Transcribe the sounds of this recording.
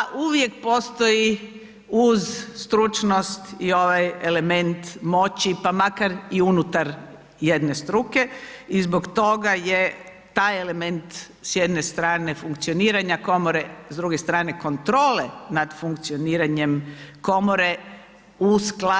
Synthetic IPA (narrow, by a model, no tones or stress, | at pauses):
ʔuʋje̞kpo̞ːst̪o̞i | uzst̪ɾut͡ʃnost̪io̞ʋajele̞me̞nt̪mo̞t͡ɕipamakaɾiunut̪aɾ | jed̪ne̞st̪ɾuke̞izbokt̪o̞ɡaje | t̪aːjele̞me̞nt̪ | sjed̪ne̞st̪ɾaːne̞fuŋkt̪sioniːɾaɲako̞moɾezd̪ɾuɡe̞st̪ɾaːne̞ko̞nt̪ɾo̞ːle̞nad̪fuŋk̚t̪sioniːɾaɲe̞mko̞moɾe̞ | uskla